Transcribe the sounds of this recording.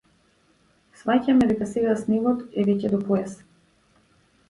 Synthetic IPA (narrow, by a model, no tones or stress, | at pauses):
svacamɛd̪ɛkasɛɡasnivɔt̪ɛvɛcɛd̪ɔpɔɛs